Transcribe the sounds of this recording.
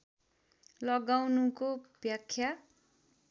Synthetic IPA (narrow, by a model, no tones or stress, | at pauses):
lʌɡawnukobjakʰːja